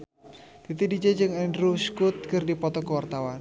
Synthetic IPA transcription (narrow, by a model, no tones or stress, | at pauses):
d̪̥it̪idid͡ʒed͡ʒɨŋɛndɾuskʊt̪̚kərdipɔt̪ɔkəwart̪awan